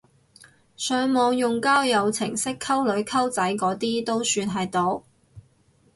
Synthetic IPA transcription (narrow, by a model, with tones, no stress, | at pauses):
sœː˨˥ŋmɔː˨˧ŋjʊ˨ŋkaː˥wjɐ˨˧wt͡sʰɪ̰˨˩ŋsɪ˥kʰɐ˥wlɵ˨˥ɥkʰɐ˥wt͡sɐ˨˥jkɔː˨˥t̪iː˥t̪o˥wsyː˧nɦɐ˨jt̪o˨˥w